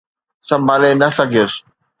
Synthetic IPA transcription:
sɐ̃mbʱaːlenɐsɐɡʱijos

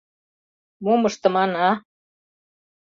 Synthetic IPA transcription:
mumɤʃt̪ɤ̆mɑnɑ

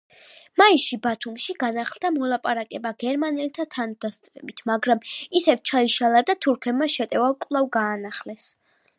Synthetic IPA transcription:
maiʃibat̪ʰumʃiɡanaχlˠd̪amɔlˠapʼaɾakʼɛbaɡɛɾmanɛlt̪ʰat̪ʰand̪ast̪ʼɾɛbit̪ʰmaɡɾamisɛvt͡ʃʰaiʃalˠad̪at̪ʰuɾkʰɛbmaʃɛt̪ʼɛvakʼlˠavɡaːnaχlɛs

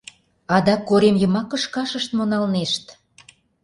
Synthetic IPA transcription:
ɑd̪ɑkːoɾemjə̆mɑkə̆ʃkɑʃəʃt̪monɑlneʃt̪

